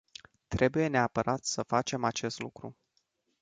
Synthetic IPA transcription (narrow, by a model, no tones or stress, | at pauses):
t̪ɾe̞buje̞ne̞apəɾat̪səfat͡ʃe̞mat͡ʃe̞st̪lukɾṵ